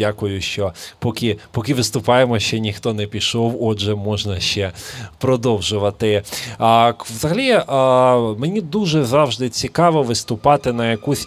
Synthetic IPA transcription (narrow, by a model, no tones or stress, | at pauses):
akʊjʊʃt͡ʃɔpɔkɪpɔkɪʋɪst̪ʊpɑjemɔʃt͡ʃɛnʲixt̪ɔnɛpʲiʃɔwɔʒɛmɔʒnɐʃt͡ʃɛpɾɔd̪ɔwʒʊʋɐt̪ɪ | ʋzɐɦɐlʲi | menʲid̪uʒɛzɑwʒd̪ɪt͡sʲikɑʋɔʋɪst̪ʊpɑt̪ɪnɐjɐkusʲ